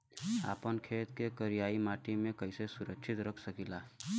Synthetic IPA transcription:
a̰ːpənkʰet̪kekəɾijaimaʈimẽkəɪsesʊɾəkʃʰit̪ɾəkʰsəkila

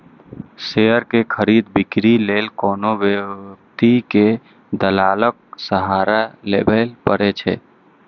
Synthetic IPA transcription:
seəɾkekʰəɾid̪bikɾilelkɔːnoʋjəkt̪ike | d̪əlalək̚səɦaɾalḛbʱəlpəɾet͡ʃʰɛ̰

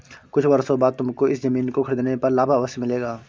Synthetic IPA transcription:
kʊt͡ʃʰbɐɾsobaːd̪̚t̪ʊmkoɪszɐmiːnkokʰɐɾiːd̪nepɐɾlaːbaʋəsmɪleːɡaː

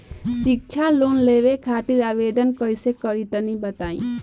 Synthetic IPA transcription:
sik̚t͡ʃʰaloːnleːʋekʰaːt̪iɾaːʋeːd̪ənkəisekəɾit̪ənĩbət̪aːḭ̃

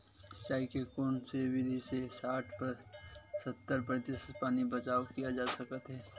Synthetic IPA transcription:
saːɪkekoːnsebɪd̪ʱisesaːʈʰp | sɐt̪ːəɾpɾət̪ɪspaːnibɐt͡ʃaːwkijad͡ʒaːsɐkət̪ɦɛː

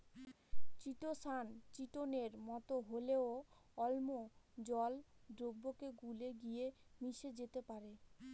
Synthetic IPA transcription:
t͡ɕiʈosant͡ɕiʈoneɾmɔt̪oɦoleoɔlmod͡ʑɔldɾobːokeɡuleɡijemiʃed͡ʑet̪epaɾe

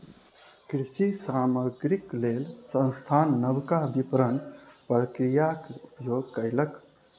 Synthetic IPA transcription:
kɾisisaməɡɾiklelsə̃nst̪ʰanːəbkabipɾənpɾəkɾijakupjoɡkəɪlək

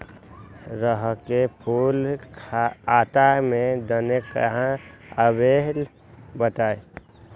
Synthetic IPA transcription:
ɾəɦkepʰulkʰaaːt̪amẽd̪ənekəɦãəbeɦl | bət̪aːe

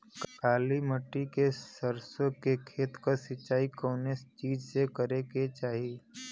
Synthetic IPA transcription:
kkaːliməʈːikesəɾsõkekʰeːt̪kəsɪt͡ʃːaːikɔːnest͡ʃiːd͡ʒsekəɾeket͡ʃaːɦie

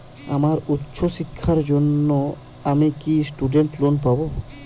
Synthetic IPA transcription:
a̰maɾutːʃʰoʃikʰːaɾd͡ʑonːo | amikisʈuɖeɳʈlonpabo

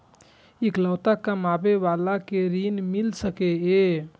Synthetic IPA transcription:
ikləwt̪akəmabeʋalakeɾinmilsəkee

